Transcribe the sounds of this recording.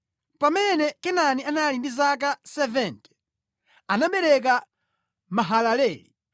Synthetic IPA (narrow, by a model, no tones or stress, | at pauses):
pamɛnɛkɛnanianalindizak̬asɛvɛntɛ̥ | anaɓɛɾɛk̬a | maɦalalɛːli